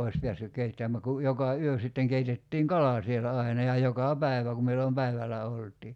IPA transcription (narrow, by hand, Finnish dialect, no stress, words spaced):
oi̞s pe̝æsːyk keitːæmˑæ ku jokɑ yø sitːeŋ keitetːiːŋ kɑlɑ sielæ ɑinɑ jɑ jokɑ pæi̞ʋæ ku milːom pæiʋælæ oltˑiː